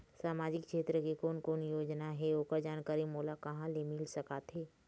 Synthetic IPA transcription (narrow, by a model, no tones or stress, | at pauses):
saːmaːd͡ʒɪkkʃeːt̪ɾəkikoːnkoːnjoːd͡ʒnaɦɛoːkəɾd͡ʒaːnkaːɾimoːlakɐɦãlemɪlsɐkaːt̪ɦɛː